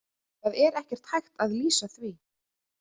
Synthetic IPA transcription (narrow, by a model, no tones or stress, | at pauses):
θaðɛɾɛhcɛɾ̥t̪hajxt̪aðliːsaθvi